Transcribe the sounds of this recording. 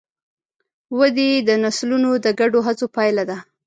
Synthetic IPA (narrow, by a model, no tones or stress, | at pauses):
wad̪ed̪ənaslunod̪əɡaɖoɦat͡sopɑjlad̪a